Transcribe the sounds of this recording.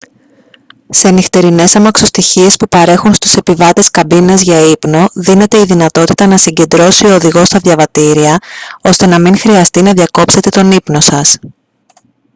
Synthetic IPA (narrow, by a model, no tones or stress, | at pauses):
se̞nixt̪e̞ɾine̞sɐmɐkso̞st̪içie̞spupɐɾe̞xunst̪u̥se̞pivɐt̪e̞skɐbinɐzʝɐipno̞ðine̞t̪e̞iðinɐt̪o̞t̪i̥t̪ɐnɐsiɲɟe̞nd̪ɾo̞sioːðiɣo̞st̪ɐðʝɐvɐt̪iɾiɐo̞st̪e̞nɐmiŋxɾiɐst̪inɐðʝɐko̞pse̞t̪e̞t̪o̞nipno̞sɐs